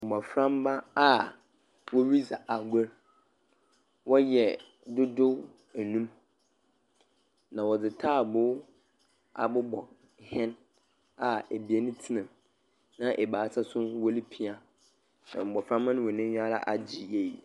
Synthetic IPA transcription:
m̩˨bɔ˨fɾã˦mbã˦a˦ | wɔ˦ɥi˦za˨ʔa˨ɡʷɔ˦ɾ | wɔ˦jɛ˨ | dʊ˦dʊ˦w | æ˨nũ˦m | nã˨wɔ˨d͡zɪ˨tʰaː˦˨bʊ˦ | a̰˨bʊ˦bɔ̰˨ | hɛ̃˦n | a˨e˨bi˨e˦nʊ̃˦tʰi˦nã˨m | nã˦ʔɛ˨baː˨˦sa˦sʊ̃˦wɔ˦li˦pʰi˦a˨ | nã̰˨m̩˨bɔ˨fɾã˦mːã˦nʊ̃˦wɔ˨nɪ̃˦ɲᶣ˦a˦la̰˦ʔa˨d͡ʑi˨je˨i˨

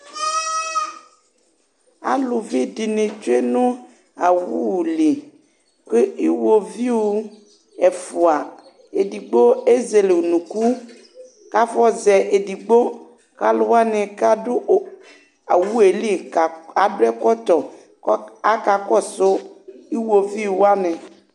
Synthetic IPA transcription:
a̰˦lu˨vi˦di˨nẽ˨t͡ʃo˦e˦nũ˦ | a˨wu˦wu˨li˨ | ke˦i˦wo˦vi˦wo˦ | ɛ˨fu˨a˨ | e˨di˨ɡ͡bo˦e˦ze˨le˨wu˨nũ˨ku˦ | ka˦fɔ˦zɛ˨ʔe˨di˨ɡ͡bo˦ | ka˦lʊ˦wa˦nɛ̃˨ka˦do˦ | a˨wu˦e˨li˦˨a˨dʊ˦ɛ˦kɔ˦t̪ɔ˨˦ | a˦ka˨kɔ˦so˦i˦wo˨vi˦˨wa˦nɛ̃˨

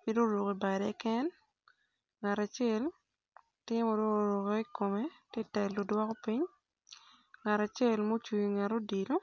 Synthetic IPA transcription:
pi˦do˦ɾu˨ke˨ba˨dɛ˨˦kɛ˦n | ŋa˨ɾa˨t͡ʃe˦˨l | tɪ˦mo˨do˦˨ɾo˨ke˦i˦ko˨me˦tɪ˦tɛ˨lːo˨dwɔ˦ko˦pi˦ɲ | ŋa˨ɾa˨t͡ʃɪe˦˨lmo˦t͡ʃu˨i˨ŋa˨ɾo˦di˨lo˦

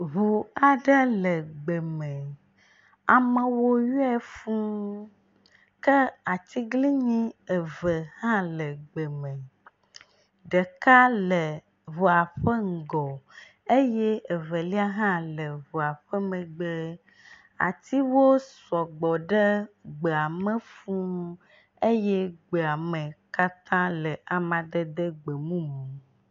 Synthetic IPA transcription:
βu˨a˨ɖə˦lə˨ɡ͡bə˨mə̃˨ | a˨mə˨wo˦ja˦fũ˦ | kə˦a˨t̪i˦ɡli˦ɲĩ˦ə˨və˨hã˦lə˨ɡ͡bə˨mə˨ | ɖə˨ka˦lə˨ | βu˨a˨ɸə˦ŋ̩˨ɡɔ˨ | e˦jɛ˦e˨ve˨li˦a˦ɦã˦lə˨βo˨a˨ɸɛ˦mɛ̃˨ɡ͡be˦ | a̰˨t̪i˦wo˦sɔ˨ɡ͡bɔ˨ɖɛ˦ɡ͡be˨a˨mə̃˦fũ˦ | e˦jɛ˦ɡ͡be˨a˨mẽ˨ka˦t̪ã˦lə˨ʔa˨mã˨d̪e˦d̪e˦ɡ͡be˨mũ˦mũ˨

